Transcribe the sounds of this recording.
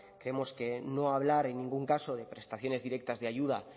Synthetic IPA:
kɾeemo̞ske̞no̞aβ̞laɾe̞nːĩŋɡuŋkaso̞ð̞e̞pɾe̞st̪aθjo̞ne̞zðiɾe̞k̚t̪azðeajʝuð̞a

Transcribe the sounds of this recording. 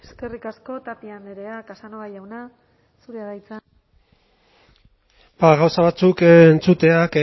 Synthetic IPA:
eske̞rikasko̞t̪apiane̞ɾe̞akasanoajawna | suɾeaðajt͡sa | baɣawsaβat͡sukːnt͡sut̪e̞ake

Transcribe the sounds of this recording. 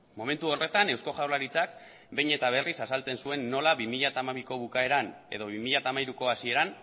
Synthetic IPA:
mo̞me̞nt̪uo̞re̞t̪ane̞wsko̞ʝawlaɾit͡sak | be̞jɲe̞t̪aβ̞e̞risasalt͡se̞nsue̞nːo̞laβimiʎat̪aːmaβiko̞βukae̞ɾan | e̞̰ðo̞β̞imiʎat̪aːmajɾuko̞asie̞ɾan

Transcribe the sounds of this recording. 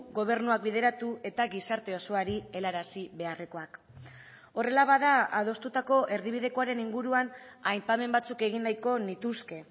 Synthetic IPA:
ɡo̞β̞e̞ɾnuak̚biðe̞ɾat̪ue̞t̪aɣisaɾt̪e̞o̞so̞aɾie̞laɾasiβe̞are̞ko̞ak | o̞re̞laβaðaaðo̞st̪ut̪ako̞ʔe̞ɾð̞iβ̞iðe̞ko̞aɾe̞niŋɡuɾuanajpame̞mbat͡suke̞ɣinnajko̞nit̪uske̞

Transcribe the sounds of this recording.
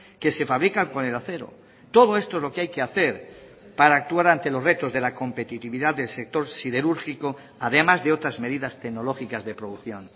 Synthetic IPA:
ke̞se̞faβɾikaŋko̞ne̞laθe̞ɾo̞̰ | t̪o̞ð̞o̞e̞st̪oezlo̞keajkeaθe̞ɾ | paɾaːk̚t̪uaɾant̪e̞lo̞sre̞t̪o̞zðe̞lako̞mpe̞t̪it̪iβiðaððe̞lse̞k̚t̪o̞ɾsiðe̞ɾuɾxiko̞ | aðe̞mazðe̞o̞t̪ɾazme̞ðiðast̪e̞ɣno̞lo̞xikazðe̞pɾo̞ðuθjo̞n

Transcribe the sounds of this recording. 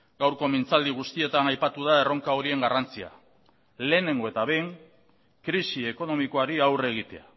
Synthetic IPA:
ɡawɾko̞mint͡sald̪iɣ̞ust̪ie̞t̪anajpat̪uðae̞ro̞ŋkao̞ɾie̞ŋɡarant͡sia̰ | le̞ːne̞ŋɡo̞e̞t̪aβe̞jŋ | kɾisieko̞no̞miko̞aɾiawre̞ɣ̞it̪e̞a

